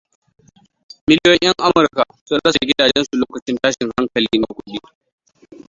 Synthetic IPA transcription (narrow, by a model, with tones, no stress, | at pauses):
mɪ˦ljɔ˦ɲʔɐ˦ŋʔa˦mʊ˨ɾka˨sʊ˦nɽɐ˦sa˨ɡʲɪ˦daː˨d͡ʒɛ˦nsu˨loː˦kɐ˨t͡ʃɪ˦ntaː˦ʃɪ˨ŋha˦ŋkɐ˨liː˦na˦kʷʊ˦ɗi˦